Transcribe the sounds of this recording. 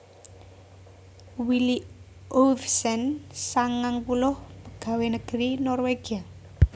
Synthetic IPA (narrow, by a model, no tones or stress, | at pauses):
wili | ʔofsɛnsaŋaŋpulʊhpəɡ̥a̤wenəɡ̥əɾinɔrweɡ̥ia